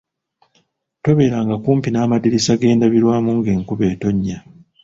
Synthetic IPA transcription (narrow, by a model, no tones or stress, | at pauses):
to̞βe̞ːɾaŋɡakuːmpinaːmadiɾisaɡe̞ːndaβiɾwaːmuːŋɡe̞ːŋkuβe̞ːto̞ɲːa